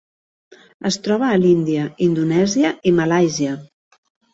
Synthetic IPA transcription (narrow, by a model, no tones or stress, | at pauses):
əst̪ɾɔβ̞əːlind̪iəind̪unɛziəʔiməlajziə